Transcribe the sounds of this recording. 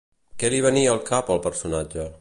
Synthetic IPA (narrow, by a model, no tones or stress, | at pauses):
kɛliβəniəlˠkapəlˠpəɾsunad͡ʒə